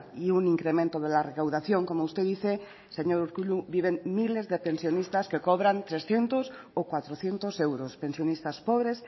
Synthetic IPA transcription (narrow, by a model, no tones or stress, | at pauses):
iuniŋkɾemẽnt̪oðelarekawðaθjoŋkomoust̪eðiθe | se̞ɲo̞ɾuɾkuʎuβiβeŋmile̞zðepe̞nsjonist̪aske̞koβɾant̪ɾesθje̞nt̪osokwat̪ɾoθje̞nt̪osewɾospe̞nsjo̞nist̪aspoβ̞ɾes